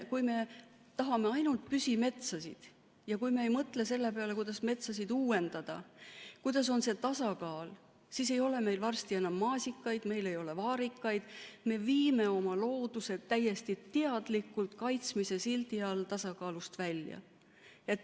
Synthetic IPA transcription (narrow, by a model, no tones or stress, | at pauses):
kujme̞ | t̪ɑɦɑme̞ɑjnult̪̚pysʲime̞t̪sɑsḭd̪̥ | jɑkujme̞ːjmɤt̪ˑle̞se̞lːe̞peɑle̞kujd̪̥ɑsme̞t̪sɑs̬id̪uːwe̞nd̪̥ɑd̪̥ɑ̰kujd̪̥ɑs̬o̞nse̞t̪ɑsɑkɑːl | sis̬e̞jo̞le̞me̞jlvɑrst̪ie̞nɑmːɑːsʲikːˑɑjd̪̥me̞jle̞jo̞le̞vɑːɾikːˑɑjd̪̥me̞viːme̞o̞mɑlo̞ːd̪̥use̞t̪ːæjːe̞st̪it̪ːeɑd̪̥likːˑult̪kɑjt̪smise̞silt̪iɑlt̪ɑsɑkɑːlust̪vælʲjɑ̰ | e̞t̪ːˑ